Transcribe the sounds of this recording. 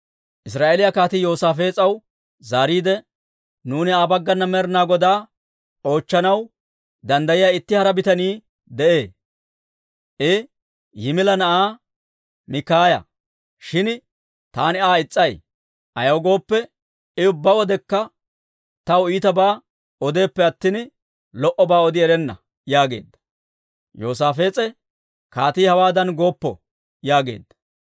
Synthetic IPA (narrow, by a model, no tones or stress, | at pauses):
ʔɪs̬ɾaːʔelɪjakaːt̪ɪjo̞ːsaːfeːt͡sʼɐw | zaːɾiːd̪ɛ | nuːnɪaːbɐɡːɐnːɐmɛɾnaːɡɔd̪aː | o̞ːt͡ʃːɐnɐw | d̪ɐnd̪ɐjɪjaːɪt̪ːɪhɐɾɐbɪt̪ɐniː | d̪ɛʔe̞ː | ʔɪ | jɪmɪlɐnɐʔaː | mɪkːaːjɐ̰ | ʃɪn | t̪a̰ːnɪaːɪt͡sʼːɐj | ʔɐjɐwɡo̞ːpːɛ | ɪʊbːɐwɔd̪ɛkːɐ | t̪ɐwiːt̪ɐbaː | ɔd̪e̞ːpːɛɐt̪ːɪn | lɔʔɔbaːɔd̪ɪɛɾɛnːɐ | jaːɡe̞̰ːd̪ːɐ̥ | joːs̬aːfe̞ːt͡sʼɛ | kaːt̪iːhɐwaːd̪ɐnɡo̞ːpːɔ | jaːɡe̞̰ːd̪ːɐ̥